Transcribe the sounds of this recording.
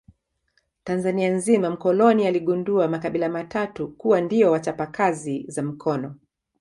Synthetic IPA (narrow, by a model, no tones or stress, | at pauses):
tanzanianzimam̩kɔlɔnialiɠunduamakaɓilamatatukuwandiɔwat͡ʃapakazizam̩kʰɔnɔ